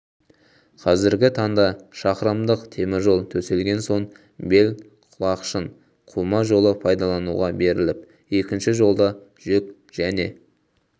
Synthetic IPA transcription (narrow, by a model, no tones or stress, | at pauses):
qʰɑzɪɾɡʲɪt̪ʰɑɴd̪ɑʃɑqəɾəmd̪əqt̪ʰe̞mɪɾʒo̞lˠt̪ʰɵse̞lɡʲe̞nso̞ɴ | be̞l | qʰʊlˠɑqʃən | qʰumɑʒo̞lˠəpʰɑjd̪ɑlˠɑnṵʁɑbe̞ɾɪlɪp | e̞kʲɪnʃɪʒo̞lˠd̪ɑ | ʒ̥ʏkʲ | ʒ̥æne̞